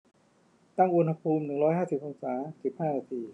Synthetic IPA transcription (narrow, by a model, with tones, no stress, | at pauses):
t̪a˥˩ŋʔu˧nha˧pʰuː˧mnɯ˨˩ŋɾɔː˦˥jɦaː˥˩si˨˩p̚ʔoː˧ŋsaː˩˦si˨˩p̚haː˥˩naː˧t̪ʰiː˧